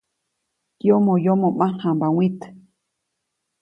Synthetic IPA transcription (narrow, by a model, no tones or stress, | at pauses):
kjomõjomõmãhãmbawĩt̪